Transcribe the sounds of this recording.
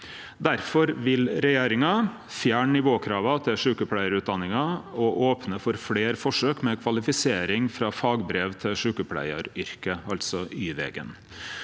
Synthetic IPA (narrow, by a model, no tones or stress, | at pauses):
d̪æɾfɔɾʋɪlɾɛjeːɾɪŋɑ | fjæːɳnɪʋoːkʰɾɑːʋɑt̪ʰɪlʂʉːkəpʰlæɪəɾʉːt̪̚d̪ɑnːɪŋɑɔʔoːpnəfɔɾfleːɾfɔʂøːkmɛkʰʋɑlɪfɪseːɾɪŋfɾɑːfɑːɡbɾeːʋt̪ʰɪlʂʉːkəpʰlæ̰ɪə̰ɾʏɾkəɑlt̪sɔyːʋɛ̰ːɡə̰n